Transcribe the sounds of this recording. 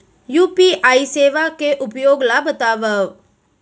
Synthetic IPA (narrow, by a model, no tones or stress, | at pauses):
juːpiʔaːiseːʋakeʔʊpjoːɡlabət̪aːʋəʋ